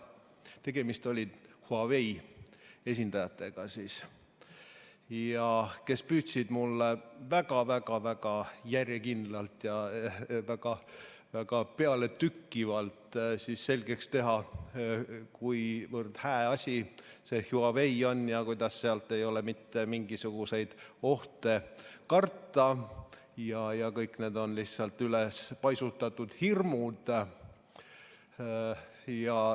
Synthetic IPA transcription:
t̪e̞ɡ̥e̞mist̪o̞lʲid̪̥huɑve̞j | e̞s̬ʲind̪̥ɑjɑt̪ːˑe̞ɡ̥ɑsis | jɑke̞spyːt̪sid̪̥mulːevæɡ̥ɑvæɡ̥ɑvæɡ̥ɑjærjekind̪̥lɑlt̪jɑvæɡ̥ɑ | væɡ̥ɑpeɑlet̪ykːivɑlt̪sisːe̞lʲɡe̞kst̪e̞ɦɑ | kujvɤrd̪̥hæːɑsʲise̞hjuɑve̞jo̞njɑkujd̪ɑsːeɑlt̪ːˑe̞jo̞le̞mit̪ːe̞miŋɡ̥isuɡ̥use̞jd̪̥o̞ht̪e̞kɑrt̪ˑːɑ | jɑjɑkɤjkne̞ːd̪o̞nlihsɑlt̪ːˑylespɑjsut̪ːˑɑt̪ːud̪̥hirmud̪̥ | jɑ

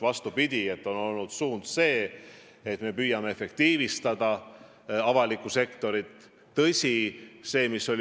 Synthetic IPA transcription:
vɑst̪upid̪̥ʲie̞t̪ːˑo̞no̞lnud̪̥suːnd̪̥se̞ː | et̪me̞pyːjɑme̞efe̞kt̪iːvist̪ɑd̪̥ɑ | ɑvɑlikːˑuse̞kt̪o̞ɾit̪ː | ɤsʲise̞ːmiso̞l

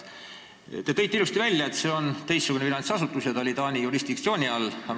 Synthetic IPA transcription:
t̪e̞t̪ɤ̞jt̪ːˑeilust̪ivælʲjɑet̪se̞ːo̞nt̪e̞jsːuɡ̥uneinɑnʲt̪sɑsut̪ːˑusjɑt̪ɑolit̪ɑːnʲijuɾisd̪̥ik̚t̪sio̞ːnʲiɑlː

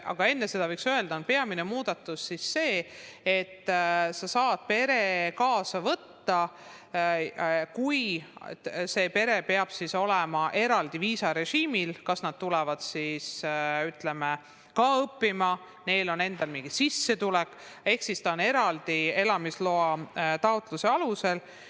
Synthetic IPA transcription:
ʔɑ̰ɡ̥ɑe̞nːese̞d̪ɑvɤjksøe̞ld̪ɑonpe̞ɑminemuːd̪ɑt̪ːˑusːisːe̞ːet̪ːsɑsɑːd̪̥̚pe̞ɾe̞kɑːsɑvɤt̪ːɑ | kuj | se̞ːpe̞ɾe̞pe̞ɑb̥siso̞lɛmɑʔe̞ɾɑld̪̥iviːsɑɾe̞ʒiːmilkɑsnɑd̪̥̚t̪ulɛvɑd̪̥sisyt̪leme | kɑːɤpːimɑ | ne̞jlo̞ne̞nd̪̥ɑlmiŋɡ̥isisːe̞t̪ulɛkː | e̞hksist̪ɑone̞ɾɑld̪̥ie̞lɑmislo̞ɑt̪ɑot̪ˑluse̞ɑluse̞l

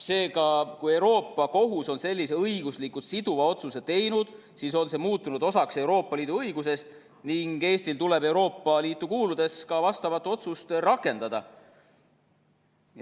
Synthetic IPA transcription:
se̞ːɡɑkuje̞wɾo̞ːpːˑɑko̞ɦuso̞nse̞lʲːise̞ɤjɡuslikːu̥sid̪uvɑo̞t̪suse̞t̪e̞jnud̪̥ | siːso̞nse̞muːt̪ːˑunud̪o̞sɑkse̞wɾo̞ːpˑːɑliːd̪̥uɤjɡ̥use̞st̪ | niŋɡe̞ːst̪ilt̪ule̞be̞wɾo̞ːpˑːɑliːt̪ːˑukuːlud̪̥e̞skɑvɑst̪ɑvɑt̪ːuo̞t̪sust̪rɑkːˑe̞nd̪ɑd̪̥ɑ̰

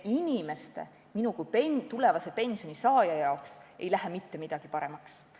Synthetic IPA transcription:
inʲime̞st̪e̞̰ | minukupet̪ule̞vɑse̞pe̞nsijo̞nisɑːjɑjɑoksʔe̞̰jlæɦemit̪ːe̞mid̪̥ɑɡ̥ipɑɾe̞mɑks

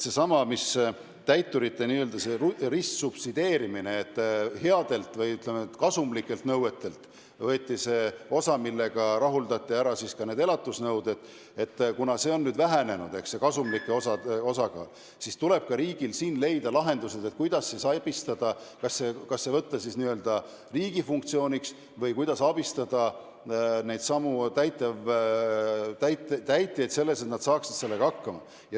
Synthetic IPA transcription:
se̞sɑmɑmis | t̪æjt̪ːuɾit̪ːe̞niːøld̪̥ɑserissupsid̪̥e̞ːɾimine̞ːt̪ːhe̞ɑd̪̥e̞lt̪vɤjyt̪lemet̪kɑsumlikːˑe̞lt̪nɤwe̞t̪ːe̞lt̪ | vɤːt̪ʲːise̞ːo̞sɑmilːe̞ɡ̥ɑɾɑɦuld̪ɑt̪ˑːiæɾɑsiskɑne̞ːd̪e̞lɑt̪ːˑusnɤwd̪e̞t̪ˑ | e̞t̪ːkunɑse̞ːo̞nːyːd̪væɦæne̞nṵd̪̥e̞kse̞kɑsumlikːˑeosɑo̞sɑɡ̥ɑ̰ː | sist̪ule̞b̥̚kɑɾiːɡ̥ilsiːnle̞jd̪ɑlɑɦe̞nd̪̥use̞d̪e̞t̪̚kujd̪̥ɑsːesɑb̥ist̪ɑd̪̥ɑkɑsːe̞kɑsːe̞vɤt̪ːɑsisniøld̪̥ɑ | riːɡifuŋk̚t̪sio̞ːnʲiks | vɤjkujd̪̥ɑsɑb̥ist̪ɑd̪̥ɑ | nejd̪̥sɑmut̪æjt̪ːˑɑv | t̪æjt̪t̪æjt̪ːˑejed̪se̞lːe̞se̞t̪nɑd̪̥sɑːksid̪̥se̞lːe̞ɡ̥ɑɑkːɑmɑ̰ | jɑ

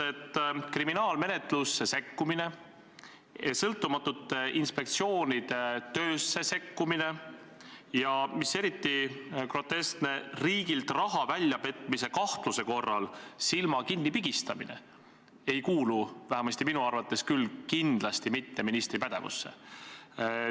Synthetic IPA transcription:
et̪ːkriminɑːlme̞ne̞t̪lusːe̞se̞kːumine̞ | esɤlt̪ːumɑt̪ˑːut̪ːˑʔinspe̞k̚t̪sio̞ːnid̪̥e̞t̪øːsːe̞se̞kːumine̞ | jɑmise̞ɾit̪ːikro̞t̪ːe̞st̪ne̞riːɡ̥ilt̪rɑɦɑvælʲjɑpe̞t̪ːˑmise̞kɑht̪luse̞ko̞rːɑlsilmɑkinːipiɡ̥ist̪ɑmḭne̞̰ | e̞jkuːluvæɦemɑst̪iminuɑrvɑt̪ːˑe̞skylkind̪̥lɑst̪imit̪ːe̞minist̪ɾipæd̪̥e̞vṵsːe̞̰

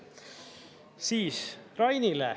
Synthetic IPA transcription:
siːsrɑjnilḛ

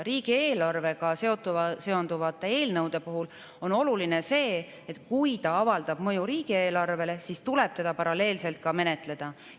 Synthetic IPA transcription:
ɾiːɡ̥ie̞ːlɑrve̞ɡɑse̞o̞t̪ːˑuɑse̞o̞nd̪̥uvɑt̪ːˑe̞e̞ːlnɤwd̪̥e̞puɦul | o̞no̞luline̞se̞ː | et̪kujt̪ɑɑvɑld̪̥ɑb̥mɤjuɾiːɡ̥ie̞ːlɑrve̞le̞sist̪uleb̥̚t̪e̞d̪̥ɑpɑɾɑle̞ːlse̞lt̪̚kɑme̞ne̞t̪ˑle̞d̪̥ɑ

